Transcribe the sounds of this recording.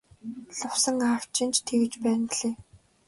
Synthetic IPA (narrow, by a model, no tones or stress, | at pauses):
ɮʊwsə̆ŋaw̥t͡ɕɪ̆nt͡ɕt̪ʰeɣɘ̆t͡ɕpæːnt̪ɮeː